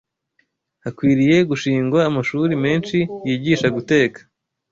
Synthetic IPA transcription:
hakwiːɾije̞ɡuʃiːŋɡwaːmaʃuɾime̞ːnʃijiːɟiːʃaɡute̞ːkḁ

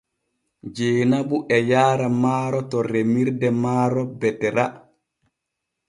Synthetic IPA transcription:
d͡ʒeːnabuʔɛjaːɾamaːɾɔtɔɾemiɾdɛmaːɾɔbɛtɛɾa

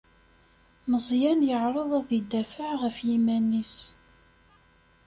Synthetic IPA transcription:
məzˤjænjəʕɾˤoðˤæðid̪ːæfəʕʁəfjimænːis

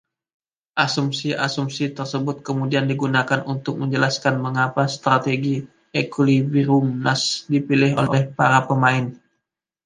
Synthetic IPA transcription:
ʔasumsiʔasumsit̪ərsəbʊt̪̚kəmudiandiɡunakanunt̪ʊk̚məɲd͡ʒəlaskanməŋapast̪ɾat̪eɡi | ɛkuliviɾumnasdipilɪɦo̰lʔolɛhpaɾapəmaɪn

